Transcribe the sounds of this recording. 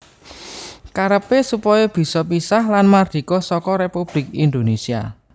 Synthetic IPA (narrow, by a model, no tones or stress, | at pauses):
kaɾəpesupɔjɔb̥i̤sɔp̬isahlanmard̪̥i̤kɔsɔkɔɾepub̥lɪk̚ind̪onesia̰